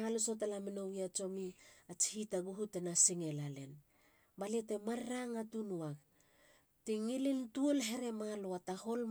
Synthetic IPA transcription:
aluso̞t̬alamino̞ɡiat͡ʃo̞miat͡ʃi̥hitaɡuɦute̞nasiŋe̞lale̞̰n | baliete̞maɾɾaŋatunuak̚ | tiŋilintuolɦe̞ɾe̞maloataho̞l

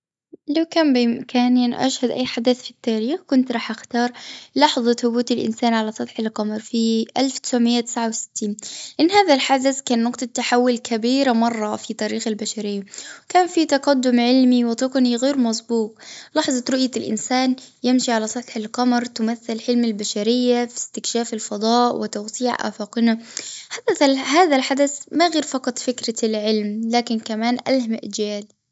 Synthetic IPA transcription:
lawkaːnbɪmkʰaːnjanʔa̰ʃhad̪ʔa̰jːħad̪aθfi̥t̪ːaːɾiːxkʊnt̪ɾˤɑːħʔaxt̪ɑːɾˤlɑħðˤɑθʊbuːt̪ɪlʔɪ̰nsaːnʕalasˤɑt̪ħɪlqɑmɾˤfiʔalft̪ɪ̥sʕmɪjːat̪ɪ̥sʕawsɪ̥t̪ːiːnʔɪnːhaːðalħazazkaːnːʊqt̪ˤɑt̪ːaħawːʊlkʰabiːɾamɑrˤːɑfit̪ˤɑɾiːxalbaʃaɾɪjːawkaːnfit̪ɑqad̪ːʊmʕɪlmiwɪt̪ˤʊqniɣeːɾmɑsˤbuːq̚lɑħzˤɑt̪ɾʊʔjalʔɪ̰nsaːnjɪmʃiʕalasˤɑt̪ħɪlqɑmɾˤt̪ʊmaθːɪlħɪlmalbaʃaɾɪjːafi̥st̪ɪkʃaːfɪlfɑd̪ˤɑːʔwɪt̪awsiːʕʔa̰ːfaːqɪnaħad̪aalɦaːðalħad̪aθmaɣeːɾfɑqɑt̪ˤfɪkɾalʕɪlmlaːkɪnkamaːnʔalhamaʔd͡ʒaːl

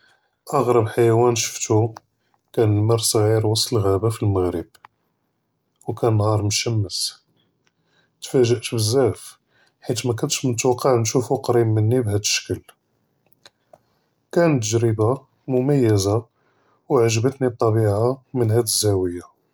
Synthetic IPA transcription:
ʔɑɣɾˤɑbħajæwænʃə̥ft̪u | kænəlməɾˤsˤɣiɾwɑsˤt̪əlɣæbafilməɣɾəb | wkænnhɑɾˤmʊʃæmːəs | t̪fæʒəʔt̪bəzːæf | ħit̪mækænʃmnət̪wɑqʰːɑʕnʃufuqɑɾimmːənːibɦæd̪əʃə̥kəl | kænət̪ːəʒɾiba | mʊmæjːəza | wʕaʒbət̪nib̚t̪ˤːɑbiʕamənhæd̪əzːæwəja

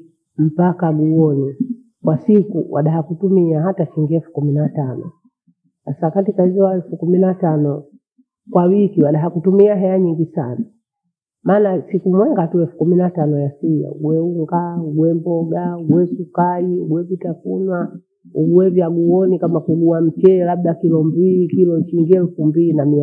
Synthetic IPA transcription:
m̩pakaɡuɔni | kwasikuwʔa̰ɗaɦakutumiaɦataʃiŋɡiɛlfu̥kuminatanɔ̰ | sasakatikahizɔwaɛlfukuminatanɔ | kwawikiwaɗaɦakutumiaɦɛaɲiŋɡisana | maːnasikumwɛŋɡatuɛlfu̥kuminatanɔjasija̰ṵɡwɛuŋɡauɡwɛmbɔɡauɡwɛsukaiuɡwɛvitafunwa | uɡwɛviaɡuɔnikamakuɡuam̩t͡ʃɛlabɗakilɔmbiikilɔt͡ʃiŋɡiɛlufumbiinami

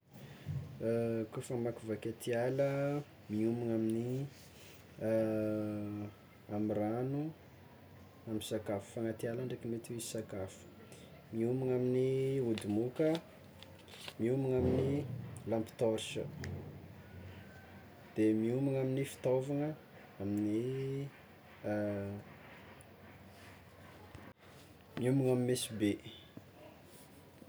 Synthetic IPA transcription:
kufəmakuvaket̪ialə | miumaŋamini | amiranu | amisakafu̥faŋat̪ialaɳɖ͡ʐekimet̪iweisakafu̥ | miumaŋaminiud̪umukə | miumaŋaminilampi̥t̪oɾʃə̰ | d̪̥emiumaŋaminifi̥t̪ovaŋə | amini | miumaŋamimesibe

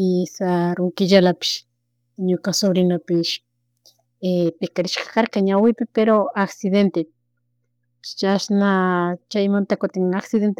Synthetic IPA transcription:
ɪsaɾʊŋkɪʎalapɪ̥ʃ | ɲokasoβɾɪnapɪʃ | epɪkaɾɪʃkḁkaɾkaɲawɪpɪpeɾoaksɪðent̪e | t͡ʃasnat͡ʃajmant̪akʊt̪ɪŋaksɪðent̪

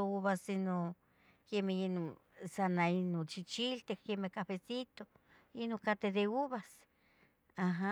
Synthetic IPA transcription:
ouβasino | kemehinosanainot͡ʃit͡ʃilt̪ehkemehkafesit̪o | inokat̪ed̪euβas | aɦa

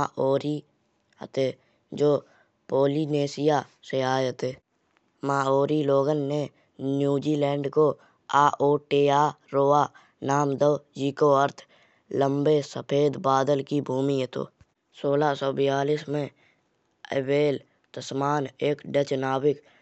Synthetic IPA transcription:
aʔoːɾi | ə̰t̪eː | d͡ʒoː | poːlineːsɪjaseaːeət̪eː | maːoːɾiloːɡənːe | njuːd͡ʒiːlɛ̃ːɳɖko | aːʔoːʈeːaː | ɾoːa | naːmd̪əwd͡ʒiːkoəɾt̪ʰ | lə̃mbesəpʰeːd̪baːd̪əlkibʱuːmiɦət̪o̰ː | soːlasɔːbɪjaːlismẽ | ə̰beːl | t̪əsmaːneːkɖət͡ʃnaːbɪk

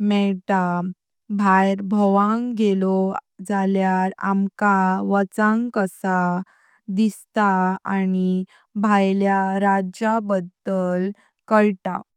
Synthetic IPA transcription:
mɛʈa | bʱajɾbʱəʋãŋɡelɔd͡zaljaɾa̰mkaʋət͡sãŋkəsa | d̪ist̪aani | bʱajljaɾad͡ʑabəd̪əl | kəɭʈa̰

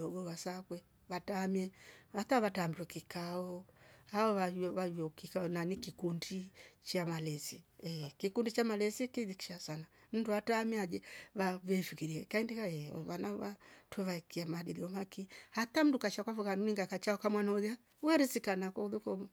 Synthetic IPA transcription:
ɔɡɔwasakwɛ | βatamiɛataβatambiɾwɛkikaɔhaɔβaβaɔkikaɔnanikikundit͡ʃamalɛsɛɛkikundit͡ʃamalɛsikiðiki̥ʃasana | m̩duatamiad͡ʒɛβavɛfikiɾiɛkaindikaɛɔ̰βanaβatwɛβakiamadiðiɔmakihat̪am̩dukaʃakwafukanuniŋɡakat͡ʃaɔkamwanauðja | wɛɾisikanakɔuðukɔmɔ

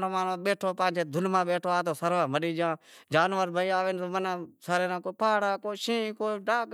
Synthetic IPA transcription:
noːmaːnõːɓeːʈʰoːpãːt͡ʃʰeːd̪ʱʊnmãːɓeːʈʰoːaːt̪oːsəɾʋãːməɗiːd͡ʒɪãːd͡ʒaːnʋəɾbʱəːaːʋeːnt̪oːmənãːsaɾeːnãːkoːpaːɽaːkoːʃĩːkoːɖaːɡ

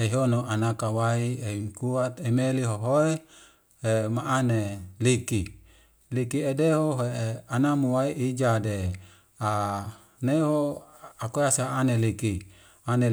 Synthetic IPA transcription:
eɦonoanakawaieikuat̪emeliɦoɦoe | hemaʔaneliki | likiedeɦoɦeanamuwaiʔid͡ʒade | a | neɦoakoasaːneliki | ane

